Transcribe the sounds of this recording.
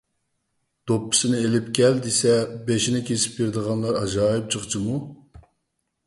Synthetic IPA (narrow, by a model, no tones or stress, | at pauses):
d̪̥opːɨ̥sɨnɪelɪpkʲɛld̪isɛbeʃinɪkʲʰesɪ̥pjiɾd̪əʁɑnlˠɑɾɑd͡ʒɑːjɨp̚t͡ʃʰəχt͡ʃʰimu